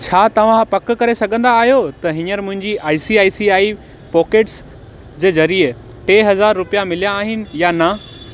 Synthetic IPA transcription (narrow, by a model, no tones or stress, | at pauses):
t͡ɕʰaːt̪ɐʋ̤ãpɐkkɐɾesɐɡʱə̃nd̪aːɦijot̪ɐɦɪ̃ɲəɾmʊ̃ɦɪ̃ɲd͡ʑiʔaːisiaːisiaːi | pɔːkeːʈs | d͡ʑeːzɐɾiə | ʈeːɦɐzaːɾːʊpijamɪlijãːɦɪnɪ̆janɐ